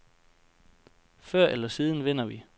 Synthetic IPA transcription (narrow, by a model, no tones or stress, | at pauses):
fɶɐ̰ʔelɐsiːð̞ˠn̩ʋen̰ɐʋi